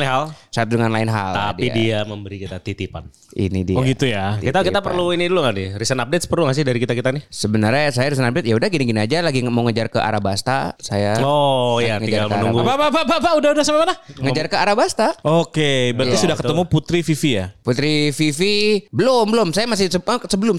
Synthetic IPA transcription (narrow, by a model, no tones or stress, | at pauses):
nɪɦalsaat̪̚dəŋanlaɪnɦa̰lt̪adiidiaməmbəɾikit̪at̪it̪ipa̰n | ḭnḭdioɡit̪ujak̪it̪akiapərluiniduluŋadɪrisənap̚det̪̚spərluŋas̬ɪhdaɾikit̪akit̪anɪhsəbənərɲasajaɾis̬ənap̚det̪̚jaudahɡiniɡiniad͡ʒalaɡimawŋəd͡ʒarkəʔa̰ɾabast̪a̰sajaojaŋəid͡ʒaɡalməaɾnuaɡupapapapapaudahudahsamamanaŋəd͡ʒarkəaɾabast̪aokebəɾət̪isudahkət̪əmuput̪ɾififijaput̪ɾififibəlombəlʊmsajamas̬ɪhsəasəbəlʊm